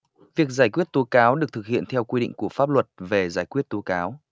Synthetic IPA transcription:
vi˨˩ək̚zaː˧˩jkwi˦˥ət̚t̪o˨˦kaː˨˦wɗɨ˨˩ək̚t̪ʰɨ˨˩k̚hḭ˧˨ənt̪ʰɛ˧wkwi˧ɗḭ˧˨ŋ̟ku˧˩əfaː˦˥p̚lwə˨˩t̚ve˨˩zaː˧˩jkwi˦˥ət̚t̪o˨˦kaː˨˦w

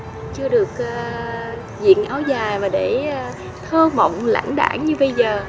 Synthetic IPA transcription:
t͡ɕɨ˧əɗɨ˨˩ək̚ʔː | zḭ˧˨ənʔaː˧˦wzaː˨˩jvaː˨˩ɗe˧˩˧ | t̪ʰəː˧mə̰˧˨wŋ͡mla̰ː˧˥nɗa̰ː˧˩ŋɲɨ˧ɓə˧jzəː˨˩

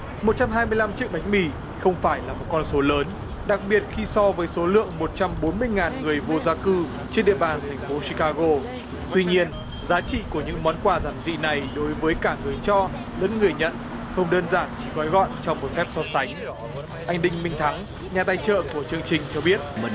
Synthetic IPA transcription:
mo˨˩t̚t͡ɕa˧mɦaː˧jmɨ˧əjla˧mt͡ɕḭ˧˦˥ək̚ɓa˨˦jŋ̟̚mi˧˩ | xə˧wŋ͡mfaː˧˩jlaː˨˩mo˨˩t̚kɔ˧nso˨˦ləː˨˦n | ɗa˨˩k̚ɓi˨˩ət̚xi˧sɔ˧vəː˨˦jso˨˦lɨ̰˧˨əŋmo˨˩t̚t͡ɕa˧mɓo˨˦nmɨ˧əjŋaː˨˩nŋɨ˨˩əjvo˧zaː˧kɨ˧ | t͡ɕe˧nɗḭ˧˨əɓaː˨˩nt̪ʰɛ˨˩ŋ̟fo˨˦si˧kaː˧ɣo˧ | t̪wi˧ɲi˧ən | zaː˨˦t͡ɕḭ˧˨ku˧˩əɲɨ̰˧˥ŋmɔ˨˦nkwaː˧zaː˧˩mzḭ˧˨na˨˩jɗo˨˦jvəː˨˦jkaː˧˩ŋɨ˨˩əjt͡ɕɔ˧ | lə̰˧˥nŋɨ˨˩əjɲə̰˧˨n | xə˧wŋ͡mɗəː˧nzaː˧˩nt͡ɕi˧˩ɣɔ˨˦jɣɔ̰˧˨nt͡ɕɔ˧wŋ͡mmo˨˩t̚fɛ˦˥p̚sɔ˧sa˨˦jŋ̟ | ʔa˧jŋ̟ɗï˧ŋ̟mï˧ŋ̟t̪ʰa˨˦ŋ | ɲaː˨˩t̪aː˧jt͡ɕə̰ː˧˨ku˧˩ət͡ɕɨ˧əŋt͡ɕï˨˩ŋ̟t͡ɕɔ˧ɓi˦˥ət̚

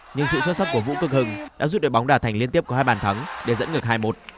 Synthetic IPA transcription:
ɲɨ̰˧ŋsɨ̰˧˨swə˦˥sa˦˥p̚ku˧˩əvṵ˧˥kɨ˦˥k̚hɨ˧ŋɗa̰ː˧˥zu˦˥t̚ɗoː˧˨˩jɓa˨˦wŋ͡mɗaː˧˩t̪ʰjŋli˧nt̪i˦˥əp̚kːhaː˧jɓaː˧˩nt̪ʰə˨˦ŋɗe˧˩zə̰˧˥nŋɨ˨˩ək̚ɦaː˧jmo˨˦˥t̚

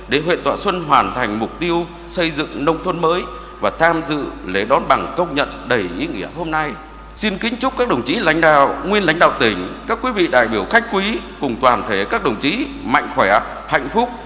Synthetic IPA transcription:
ɗe˧˩ɦwḛ˧˨nt̪wa̰ː˧˨swə˧nɦwaː˨˩nt̪ʰa˨˩jŋ̟mʊ˨˩k͡p̚t̪i˧əw | sə˧jzɨ̰˧˨ŋnə˧wŋ͡mt̪ʰwə˧nməː˨˦j | vaː˨˩t̪ʰaː˧mzɨ̰˧˨le˨˦ɗɔ˨˦nɓa˨˩ŋkə˧wŋ͡mɲə̰˧˨nɗə˨˩jʔi˨˦ŋḭ˧˩əɦo˧mna˧j | si˧nkï˨˦ŋ̟t͡ɕʊ˦˥k͡p̚kːaː˦˥k̚ɗə˨˩wŋ͡mt͡ɕḭ˨˦la̰˧˦jŋ̟ɗa̰ː˧˨wŋwi˧ənla̰˧˥jŋ̟ɗa̰ː˧˨wt̪ï˧˩ŋ̟kaː˦˥kwi˨˦vḭ˧˨ɗa̰ː˧˨jɓi˧˩əwxa˦˥jk̟̚kwi˨˦kʊ˨˩ŋ͡mt̪waː˨˩nt̪ʰe˨˦kaː˦˥k̚ɗə˨˩wŋ͡mt͡ɕḭ˨˦ | ma̰˧˨jŋ̟xwɛ˧˩ | ha̰˧˨jŋ̟fʊ˦˥k͡p̚

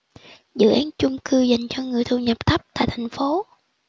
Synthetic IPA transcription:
zɨ̰˧˨ʔaː˨˦nt͡ɕʊ˧ŋ͡mkɨ˧za˨˩jŋ̟t͡ɕɔ˧ŋɨ˨˩əjt̪ʰu˧˩ɲə˨˩p̚t̪ʰə˦˥p̚t̪a̰ː˧˨jt̪ʰa˨˩jŋ̟fo˨˦

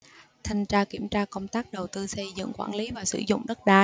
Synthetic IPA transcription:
t̪ʰa˨˩ŋ̟t͡ɕaː˧ki˧˩əmt͡ɕaː˧kə˧wŋ͡mt̪aː˦˥k̚ɗə˨˩wt̪ɨ˧sə˧jzɨ̰˧˨ŋkwaː˧˩nli˨˦vaː˨˩sɨ̰˧˩zʊ̰˧˨ŋ͡mɗə˦˥t̚ɗaː˧˩

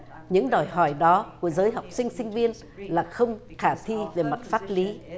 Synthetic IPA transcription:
ɲɨ̰˧˥ŋɗɔ˨˩jɦɔ˧˩jɗɔ˨˦ku˧˩əzəː˨˦jɦa˨˩wk͡p̚sï˧ŋ̟sï˧ŋ̟vi˧ən | laː˨˩xə˧wŋ͡mxaː˧˩t̪ʰi˧ve˨˩ma˨˩t̚faː˦˥t̚li˨˦

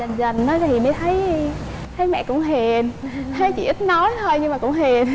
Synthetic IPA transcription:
ə˨˩nzə˨˩nːɔ˨˦jʰi˨˩məː˨˦jt̪ʰə˨˦j | t̪ʰə˨˦jmɛ̰˧˨kʊ̰˧˥ŋ͡mɦi˨˩ənt̪ʰə˨˦jt͡ɕi˧˩ʔɨ˦˥t̚nɔ˨˦jt̪ʰo˧jɲɨ˧ŋmaː˨˩kʊ̰˧˥ŋ͡mhi˨˩ən

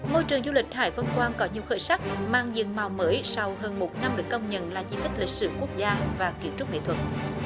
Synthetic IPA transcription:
mo˧jt͡ɕɨ˨˩əŋzu˧lï˨˩k̟̚haː˧˩jvə˧nkwaː˧nkɔ˨˦ɲi˨˩əwxəː˧˩jsa˦˥k̚maː˧ŋzɨ̰˧˨əŋma˨˩wməː˨˦jsa˧wɦəː˧nmo˨˩t̚na˧mɗɨ˨˩əkːə˧wŋ͡mɲə̰˧˨nlaː˨˩t͡ɕi˧˦t̪ï˦˥k̟̚lï˨˩k̚sɨ̰˧˩ku˦˥ək̚zaː˧vaː˨˩ki˧˩əmt͡ɕʊ˦˥k͡p̚ŋḛ˧˨t̪ʰwə˨˩t̚

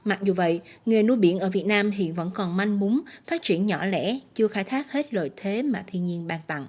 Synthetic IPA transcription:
ma˨˩k̚zu˨˩və̰˧˨jŋɨ˨˩nu˧jɓḭ˧˩ənʔəː˧˩vi˨˩ət̚naː˧mɦḭ˧˨ənvə̰˧˥nkɔ˨˩nma˧jŋmu˨˦nfaː˦˥t̚t͡ɕi˧˩ənɲɔ̰˧˩lɛ̰˧˥t͡ɕɨ˧əxaː˧˩jt̪ʰaː˦˥k̚he˦˥t̚lo̰˧˨jt̪ʰe˨˦maː˨˩t̪ʰi˧nɲi˧ənɓaː˧ŋt̪a̰˧˨ŋʔ

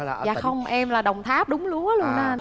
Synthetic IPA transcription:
a̰ː˧˨˩xə˧wŋ͡mʔɛ˧mlaː˨˩ɗə˨˩wŋ͡mt̪ʰaː˦˥p̚ɗʊ˨˦ŋ͡mlu˧ə˨˦lu˧ənaː˨˧˩

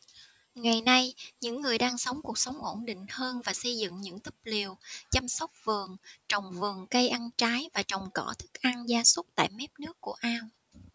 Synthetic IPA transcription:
ŋa˨˩jna˧jɲɨ̰˧˥ŋːɨ˨˩əjɗaː˧ŋsə˨˦wŋ͡mku˨˩ək̚sə˨˦wŋ͡mʔo˧˩nɗḭ̈˧˨ŋ̟həː˧nvaː˨˩sə˧jzɨ̰˧˨ŋɲɨ̰˧˥ŋt̪i̥˦˥p̚li˨˩əwt͡ɕa˧msə˦˥wk͡p̚vɨ˨˩əŋt͡ɕɔ˨˩wŋ͡mvɨ˨˩əŋkə˧jʔa˧nt͡ɕaː˨˦jvaː˨˩t͡ɕɔ˨˩wŋ͡mkɔ̰˧˩t̪ʰɨ˦˥k̚ʔa˧ŋzaː˧sə˦˥t̚t̪a̰ː˧˨jmɛ˦˥p̚nɨ˦˥əkːu˧˩əʔaː˧w

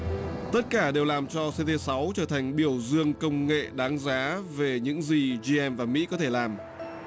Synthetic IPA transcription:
t̪ə˦˥t̚kaː˧˩ɗe˨˩wlaː˨˩mt͡ɕɔ˧se˧t̪e˧sa˨˦wt͡ɕəː˧˩t̪ʰa˨˩ŋ̟ɓi˧˩əwzɨ˧əŋkə˧wŋ͡mŋḛ˧˨ɗaː˨˦ŋzaː˨˦ve˨˩ɲɨ̰˧˥ŋzi˨˩zi˧ʔɛ˧mvaː˨˩mḭ˧˥kɔ˨˦t̪ʰe˧˩laː˨˩m

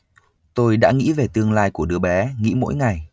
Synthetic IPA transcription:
t̪o˧jɗa̰ː˧˥ŋḭ˧˥ve˨˩t̪ɨ˧əŋlaː˧jku˧˩əɗɨ˧əɓɛ˨˦ŋḭ˧˥mo̰˧˥jŋa˨˩j

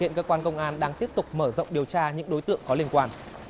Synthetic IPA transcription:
ḭ˧˨ənkəː˧kwaː˧nkə˧wŋ͡mʔaː˧nɗaː˧ŋt̪i˦˥əp̚t̪ʊ˨˩k͡p̚məː˧˩zə̰˧˨wŋ͡mɗi˨˩əwt͡ɕaː˧ɲɨ̰˧˥ŋɗo˨˦jt̪ɨ̰˧˨əŋkɔ˨˦li˧ənkwaː˧˩n

